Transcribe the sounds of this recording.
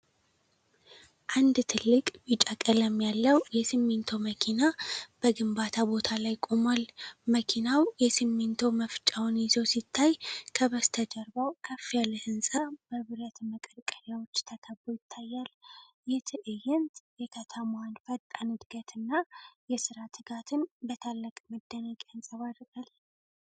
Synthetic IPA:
ʔand̪t̪ʰɨlːɨkʼbɨt͡ʃʼakʼələmːjalːəwjɛsɨmːent̪ʰo̞məkʰinab̥əɡɨmbat̪ʰabo̞t̪ʰalajkʼomalməkʰinawjɛsɨmːent̪ʰo̞məft͡ʃʼawnjɪzosit̪ʰːajkʰəβəst̪ʰəd͡ʒəɾbawkʰəfːialəhɨnsʼab̥əβɨɾət̪məkʼəɾkʼəɾjawo̞t͡ʃːt̪ʰəkʰəbːojɪt̪ʰːajːal | jɛt̪ʰɨʔɨjɛnt̪jɛkʰət̪ʰəmanfət̪ʼːanɨd̪ɡət̪ʰɨnːajɛsɨɾat̪ʰɨɡat̪ʰɨnbət̪ʰalːəkʼməd̪ːənəkʼansʼəβad̪ɾɡʼal

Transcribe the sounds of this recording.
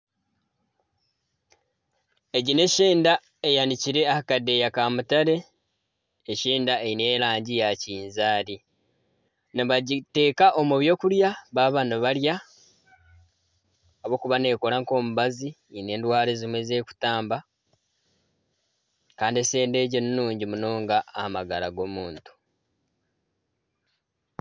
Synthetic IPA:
e̞ɟine̞ʃeːnda | e̞janiciɾe̞ahakadːe̞jakamutaɾe̞ː | ʃiːndaeine̞ːlaːɲɟijaciːnzaːɾi | neβaɟite̞ːkaʔo̞muβjo̞ːkuljaβaːβanoβalja | βo̞kuβane̞ːkolaŋko̞ːmuβazi | ine̞ːndwaːlezimweze̞ːku̥taːmba | kaːndiese̞ːnde̞ːɟenːuːɲɟimunoːŋɡaːmaɡalaɡo̞muːntu̥

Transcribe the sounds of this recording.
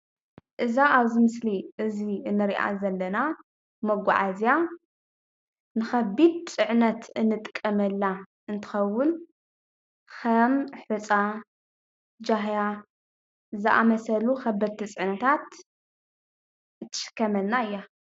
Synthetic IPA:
ʔɨzaaβzimɨsliʔɨziɨnːɨɾiʔa̰zɐlːɐna | mɐɡʷaʕazja | nɨxɐbid̪̚t͡sʼɨʕnɐt̪ʰɨnːɨt̪ʼɨkʼːɐmɐlːa | ɨnt̪ʰɨ̥xɐwːʊn | xɐmħut͡sʼa | d͡ʒaɦja | zɨʔa̰mɐsɐluxɐbɐd̪̚t̪ʰɨt͡sʼɨʕnɐt̪ʰat̪ | t̪ʰːɨ̥ʃɨ̥kʰːɐmɐlnaɨjːa

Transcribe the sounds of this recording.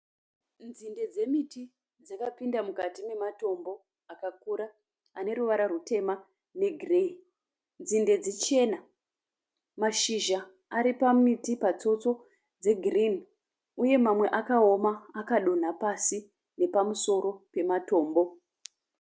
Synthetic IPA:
nd͡zinde̞d͡ze̞miti | d͡zakapindamukatime̞mato̞mbo̞ | akakuɾa | ane̞ɾuʋaɾarute̞ma | ne̞ɡʱrin | nd͡zinde̞d͡zet͡ʃe̞na | maʃiʒa | aɾipamitipat͡so̞t͡so̞ | d͡ze̞ɡʱirin | uje̞mamwe̞ʔakaomaːkaɗo̞n̤apasi | ne̞pamuso̞ɾo̞pe̞mato̞ːmbo̞

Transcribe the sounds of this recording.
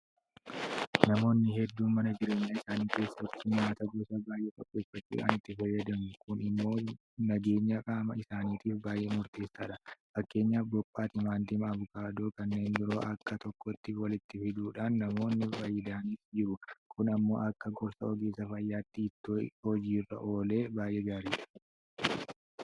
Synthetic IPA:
nɐmo̞ːnːɪɦɛd̪ːuːmɐnɐd͡ʒɪɾeːɲːaɪsaːniːke̞ːsːɐt̪ːɪnmaːt̪ɐɡɔsɐbaːjʔeːkʼɐpʼːe̞ːfːɐt͡ʃːṵːᶑa̰ːnɪt̪ːɪfɐjːɐd̪ɐmʊkʊnɪmːo̞ː | nɐɡe̞ːɲːɐkʼaːmɐɪsaːniːt̪iːfbaːjʔeːmʊɾt̪e̞ːsːaːᶑɐfɐkːe̞ːɲːaːfbɔpʼːaːt̪ɪmaːnt̪ɪmɐβʊkaːd̪oːkɐnːe̞ːndɪɾo̞̰ːʔɐkːɐt̪ɔkːɔt̪ːɪwɐlɪt̪ːɪfɪd̪uːᶑaːnːɐmo̞ːnːɪfɐjɪd̪aːniːsd͡ʒɪɾʊkʊnɐmːo̞̰ːʔɐkːɐɡɔɾsɐɔɡeːsɐfɐjːaːt̪ːɪːt̪ːɪɔd͡ʒiːrːɐ̰ʔo̞ːle̞ːbaːjʔeːɡaːɾiːᶑɐ̥

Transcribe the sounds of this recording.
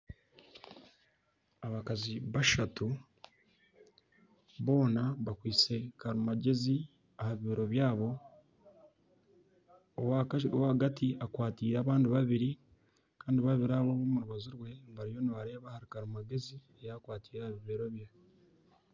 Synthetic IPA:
aβakaziβaʃatu | βo̞ːnaβakwiːt͡se̞kaɾumaɟe̞zi | ahaβiβeɾo̞βjaːβo̞ | waowahaɡatʰiʔakwaːtiːɾaːβaːndiβaβiɾi | kaːndiβaβiɾaβo̞βomuɾuβaziɾwe̞nβaɾijo̞niβaɾe̞ːβahaɾikaɾumaɡe̞zi | ejakwaːtiːɾahaβiβeɾo̞βja

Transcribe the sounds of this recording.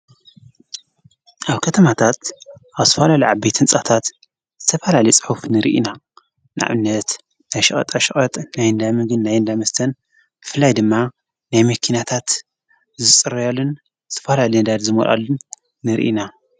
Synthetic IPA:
ʔaβkʰɐt̪ʰɐmat̪ʰat̪ʔaβzɨt̪ɐfalaliʕaβbet̪ʰɨnt͡sʼat̪ʰat̪ | z̥ɨt̪ʰɐfɐlalɐjt͡sʼɨ̥ħufnɨɾḭʔina | nʔa̰ʕɨnːɐt̪ | najʃɨχʼɐ̰t̪ʼaʃɨχʼɐt̪ʼnajɨnd̪amɨɡɨnnːajɨnd̪amɐst̪ʰɐn | b̥ɨfɨlːajd̪ɨmːa | najmɐkʰinat̪ʰat̪ | zɨt͡sʼɨɾɐjalːun | zɨt̪ʰɐfɐlalid̪ad̪zɨmo̰lʔa̰lːunː | ɨɾḭʔḭna

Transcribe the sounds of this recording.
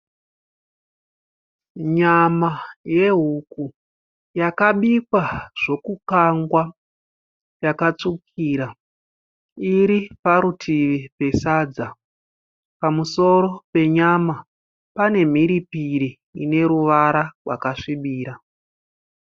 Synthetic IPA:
ɲamaje̞ɦuku | jakaɓikwaʐ̥o̞kukaŋɡwa | jakat͡sukʰiːɾa | iɾipaɾutʰiʋipe̞saːd͡za | pamuso̞ɾo̞pe̞ɲama | pane̞m̤iɾipiɾiː | ne̞ɾuʋaɾarwa̰kaʂiɓiːɾa

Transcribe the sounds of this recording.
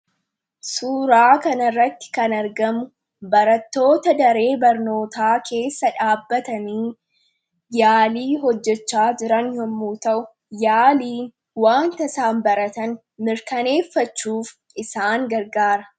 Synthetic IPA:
suːɾaːkɐnɐrːɐt̪ːɪ̥kɐnɐɾɡɐmʊ | bɐɾɐt̪ːo̞ːt̪ɐd̪ɐɾe̞ːbɐɾno̞ːt̪aːkʰe̞ːsːɐᶑaːbːɐt̪ɐniː | jaːliːɦɔd͡ʒːɛt͡ʃːaːd͡ʒɪɾɐnjɔmːuːt̪ɐʔʊ | jaːliːn | waːnt̪ɐsaːmbɐɾɐt̪ɐn | mɪɾkɐne̞ːfːɐt͡ʃːuːf | ɪsaːŋɡɐɾɡaːɾɐ

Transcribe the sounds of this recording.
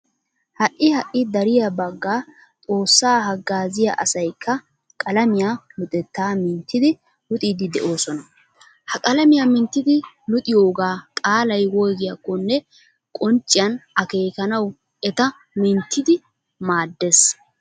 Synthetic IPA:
hɐʔːɪhɐʔːɪd̪ɐɾɪjabɐɡːaː | t̪ʼo̞ːsːaːɦɐɡːaːzɪjɐ̰ʔɐsɐjkʰːɐ | kʼɐlɐmɪjaːlʊt̪ʼɛt̪ːaːmɪnt̪ːɪd̪ɪ | lʊt̪ʼiːd̪ɪd̪ɛʔo̞ːsɔnɐ | hɐkʼɐlɐmɪjamɪnt̪ːɪd̪ɪ | lʊt̪ʼɪjo̞ːɡaːkʼaːlɐjwɔjɡɪjɐkːɔnːɛ | kʼɔnt͡ʃʼːɪjɐnɐke̞ːkɐnɐw | ʔɛt̪ɐ | mɪnt̪ʰːɪd̪ɪ | maːd̪ːes

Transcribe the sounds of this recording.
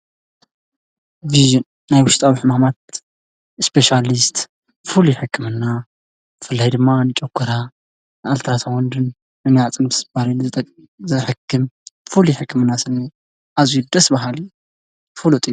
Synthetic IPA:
viʒɨnːajwʊʃt̪ʼawiħɨmamat̪̚ | ɨspʰeʃalist̪ | fuluħɨkʰːɨmɨnːa | zɨfɨlːajd̪ɨmːanɨt͡ʃʼɐkʰːɐɾa | nɨalt̪ʰɾat̪ʰawɔnd̪ɨnː | ɨnjat͡sʼɨnbɨsɨb̥aɾinɨt̪ʼ | zɨħɨkʰːɨmfuluħɨkːɨmɨnːasɨni | ʔazujud̪ɐsbɐɦali | fɨlut̪ʼij

